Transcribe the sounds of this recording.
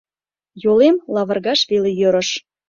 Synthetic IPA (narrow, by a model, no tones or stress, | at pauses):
jolemlɑβə̆rɣɑʃβelejøɾə̆ʃ